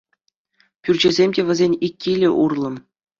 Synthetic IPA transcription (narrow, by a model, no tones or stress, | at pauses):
pʲyrʲd͡ʑĕzʲemʲdʲeʋʲɘ̆zʲenʲikʲːilʲɘ̆ʔurlˠɤ̆m